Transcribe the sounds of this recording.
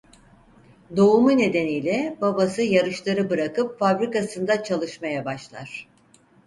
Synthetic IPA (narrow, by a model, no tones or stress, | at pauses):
d̪o̞umune̞d̪e̞nijlʲɛbabasɯjaɾɯʃlˠaɾɯbɯɾakɯpfabɾikasɯnd̪at͡ʃʰalˠɯʃmajabaʃlˠa̰ɾ̝̥